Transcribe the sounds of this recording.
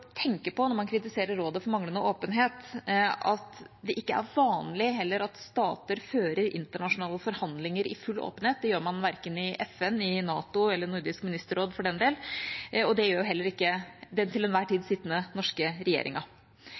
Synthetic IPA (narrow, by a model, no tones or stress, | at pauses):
t̪ʰɛŋkəpɔnɔɾmɑnkʰɾɪt̪ɪseːɾəɾːoːd̪əfɔɾmɑŋlənəʔoːpənɦeːt̪ɑt̪d̪ɛʔɪkːəæ̰ɾʋɑːnlɪɦɛlːəɾɑt̪st̪ɑːt̪əɾføːɾəɾʔɪ̰nt̪əɳɑʂʊnɑːləfɔɾhɑnd̪lɪŋəɾɪ̰fʉlːo̰ːpənheːt̪̚d̪ɛjøːɾmɑnʋæɾkənɪʔɛfɛnːɪnɑːt̪ʊɛlːəɳʊɾd̪ɪskmɪnɪst̪əɾoːd̪fɔɖɛnd̪eːlɔd̪ɛjøːɾjʊɦɛlːəɾɪkːəd̪ɛnt̪ʰɪlɛnʋæːʈʰiːd̪sɪt̪ːənənɔʂkəɾɛjḛːɾɪ̰ŋɑ